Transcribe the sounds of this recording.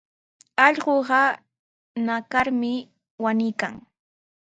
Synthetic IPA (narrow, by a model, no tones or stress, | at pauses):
ɑʎɢoɢɑ | nakaɾmɪ | wanɪjka̰ŋ